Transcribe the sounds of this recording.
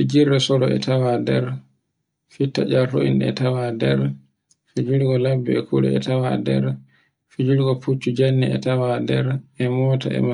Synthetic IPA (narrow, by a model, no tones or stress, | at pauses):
fid͡ʒiɾːɛsɔɾɔɛ̰tawadɛɾ | fitːa̰d͡ʒaltoḭnɛ̰tawadɛɾ | fid͡ʒulɡɔlabːɛɛkʰuɾɛ̰ɛtawadɛ̰ɾ | fid͡ʒulɡɔput͡ʃːud͡ʒanːiɛtawadɛɾɛmɔta̰ɛ̰ma